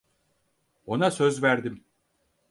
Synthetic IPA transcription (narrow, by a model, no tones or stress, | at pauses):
o̞nasø̞zvæɾd̪im